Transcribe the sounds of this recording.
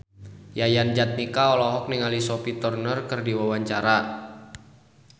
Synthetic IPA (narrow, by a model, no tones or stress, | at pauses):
jajand͡ʒat̪̚nikaɔlɔɦɔk̚niŋalisopit̪ɔrnərkərdiwawaɲt͡ʃaɾa